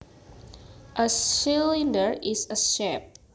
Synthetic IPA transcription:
ʔəilĩndəɹisəsɛp̚

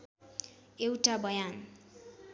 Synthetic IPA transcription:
ewʈabʌjan

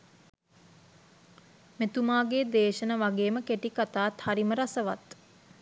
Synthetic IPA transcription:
met̪umaːɡeːd̪eːʃənəʋaɡeːməkeʈikat̪aːt̪haɾiməɾasəʋa̰t̪

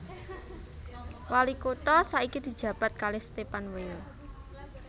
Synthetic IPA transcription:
walikot̪ɔsaikid̪̥i̤̥d͡ʒ̥ä̤b̥a̤t̪̚kalest̪epanwel

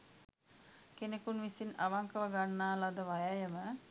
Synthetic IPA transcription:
kenekunʋisinaʋaŋkəʋəɡanːaːlad̪əʋajajəmə

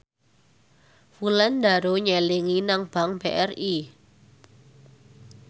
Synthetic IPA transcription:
fulandaɾoɲɛliŋinaŋb̥a̤ŋb̥eʔɛri

